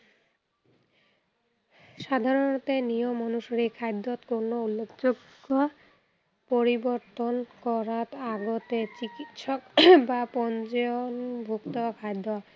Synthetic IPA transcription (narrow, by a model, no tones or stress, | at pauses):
ʃad̪ʱaɾont̪enijomɔnuʃɾikʰajd̪ːot̪koɾnoulːekʰd͡ʑoɡːo | poɾiboɾt̪onkɔɾat̪aɡot̪et͡ɕikit̪ʃɔkbapɔnt͡ɕɔonbʱukt̪okʰajd̪o